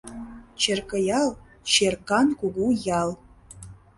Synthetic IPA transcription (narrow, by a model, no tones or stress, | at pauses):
t͡ɕerkə̆jɑlˠ | t͡ɕerkɑnkuɡujɑlˠ